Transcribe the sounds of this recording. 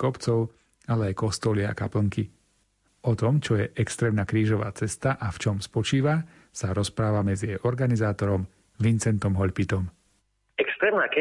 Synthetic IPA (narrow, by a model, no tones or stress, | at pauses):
kɔpt͡sɔʊ | alɛajkɔst̪ɔlia̰kapl̩ŋki | ɔt̪ɔmt͡ʃɔjɛʔɛkst̪ɾɛːmnaːkɾiːʒɔʋa̰ːt͡sɛst̪aʔaft͡ʃɔmspɔt͡ʃiːʋa | saɾɔspɾaːʋamɛd͡zijɛjɔɾɡanizaːt̪ɔɾɔm | ʋint͡sɛnt̪ɔmɦɔʎpit̪ɔm | ɛkst̪ɾɛːmnaːk